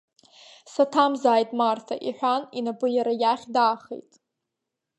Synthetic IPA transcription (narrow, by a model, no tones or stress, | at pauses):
satʰamzaːjtʼmartʰaʔiħʷᶣaninapʼɨjaɾajaχʲdaːχḛjtʼ